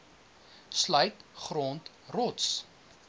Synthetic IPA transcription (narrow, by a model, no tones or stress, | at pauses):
slœɥtχrɔːnt | rɔts